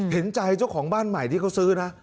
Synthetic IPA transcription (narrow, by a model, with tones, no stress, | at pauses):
he˩˦nt͡ɕa˧jt͡ɕa˥˩wkʰɔː˩˦ŋbaː˥˩nma˨˩jt̪ʰi˥˩a˦˥wsɯː˦˥na˦˥